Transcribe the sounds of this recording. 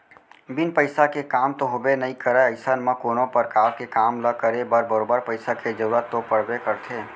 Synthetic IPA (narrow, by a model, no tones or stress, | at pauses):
bɪnpəɪsakekaːmt̪oɦobenəɦĩkəɾɛəɪsənmə̃koːnõpəɾkaːwkekaːmləkəɾebəɾbəɾoːbəɾpəɪsaked͡ʒəɾuɾət̪ːopəɽ̤bekəɾt̪ʰeː